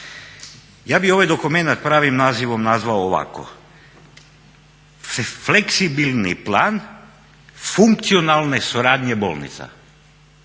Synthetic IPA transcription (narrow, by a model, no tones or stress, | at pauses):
jaːbioʋajd̪okumenat̪̚pɾaːʋimnaːziʋomnazʋaooʋa̰ko̰ | ffleksibilnḭplaːn | fuŋk̚t̪sionaːlˠnesuɾaːd̪ɲɛbo̰lˠnḭt̪sa̰